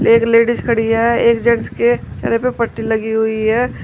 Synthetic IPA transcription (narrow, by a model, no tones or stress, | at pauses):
eːkleːɖiskʰɐɽijaɦɛeːkd͡ʒɛ̃ɳsket͡ʃʰɐ̰ɾepepəʈːilɐɡiɦʊiɦɛː